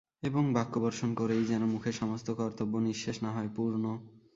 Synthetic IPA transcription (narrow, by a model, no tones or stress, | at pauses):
eboŋbakːobɔɾʃonkoɾejd͡ʑɛnomukʰeɾʃɔmost̪ʰokɔɾaɾt̪obːoniʃːeʃnaɦɔepuɾno